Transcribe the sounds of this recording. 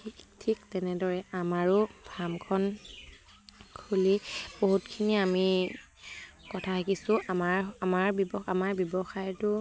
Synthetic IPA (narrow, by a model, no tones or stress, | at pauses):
tʰiktʰiktɛnɛdɔɹɛamaɹʊbʱamkʰɔn | kʰuliboɦutkʰiniami | kɔtʰatʰakisʊ̃amaɹamaɹbɔbɔxamaɹbjɔbɔxajtʊ